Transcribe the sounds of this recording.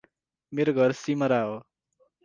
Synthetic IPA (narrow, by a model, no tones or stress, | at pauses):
meɾoɡʱʌɾsimʌɾaɦo